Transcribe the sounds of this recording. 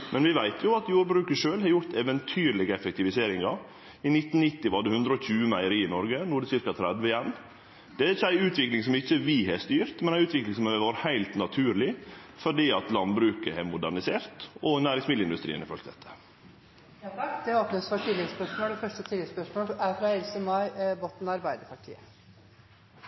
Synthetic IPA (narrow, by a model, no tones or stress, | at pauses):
mɛnʋɪʋæɪt̪ʰjʊɑt̪juːɾbɾʉːkəʂøːlhɑɾjʊɾt̪ɛʋənt̪ʰyːɾlɪɡəɛfɛkt̪ɪʋɪseːɾɪŋɑɾ | ɪnɪt̪ːn̩nɪt̪ːɪʋɑd̪əhʉnd̪ɾəɔçʉːəmæɪəɾiːɪnɔɾɡənuːɖsɪɾkɑt̪ʰɾæd̪ʋəɪɛnː | d̪̥ɛɪçːəæɪʉːt̪ʋɪklɪŋsɔmɪçːəʋɪɦɛst̪yːɾt̪mɛnæɪʉːt̪ʋɪklɪŋsɔmʋɑːɾəhæɪlt̪nɑt̪ʰʉːɾlɪfɔɖiːɑt̪lɑnbɾʉːkəhɛmʊd̪æɳɪseːɾt̪ɔnæːɾɪŋsmɪd̪l̩ɪnʉst̪ɾḭənɪfœ̰lk̪əd̪ɛ̰t̪ʰːə̥ | d̪̥ɛoːpnəsfɔʈ̪ʰiːləɾəspœʂmoːlɛfœʂʈət̪ʰiːləɾəspœʂmoːlæɾfɾɑɛlsəmɑɪbɔt̪ːnɑɾbæɪd̪əɾpʰɑʈʰḭːə